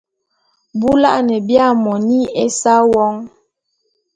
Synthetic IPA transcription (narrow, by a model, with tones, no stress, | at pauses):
bu˦la̰˦ʔnɛ˨bja˦˨mɔ˨ni˦e˦sa˦wɔ˦ŋ